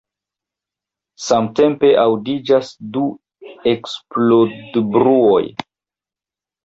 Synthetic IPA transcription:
samte̞mpe̞ʔawdid͡ʒasdu | eksplodbɾuo̞j

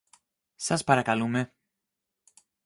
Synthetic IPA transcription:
saspaɾakalume

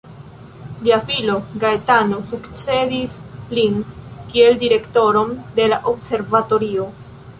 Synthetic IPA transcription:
liafilo̞ɡaetano̞fukt͡se̞dislinkie̞ldiɾe̞kto̞ɾo̞mde̞laʔobse̞ɾvato̞ɾio̞

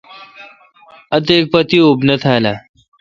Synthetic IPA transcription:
ət̪̬ek̚pət̪iubnət̪ʰala

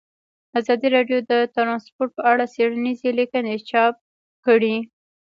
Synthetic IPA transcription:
azɑd̪iɾɑɖjod̪ət̪ɾɑnspoɾʈ̚pəaɽaseɽanizelikənet͡ʃɑp̚ | kəɽi

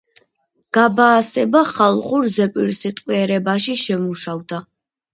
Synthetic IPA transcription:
ɡ̥abaːsɛbaχalˠχuɾzɛpʼiɾsit̪ʼqʼwiɛɾɛbaʃiʃɛmuʃavd̪a

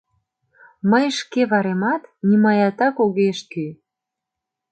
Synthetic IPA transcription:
məjʃkeβɑɾemɑt̪nimɑjɑt̪ɑkoɣeʃt̪i

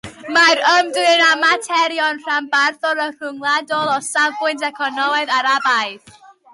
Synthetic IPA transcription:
maɾəmdwɨnamatʰɛɾjɔnr̥ambarθɔɾər̥ʊŋlˠadɔlˠɔsavbʊɨntɛkʰɔnɔmaðaɾabajð

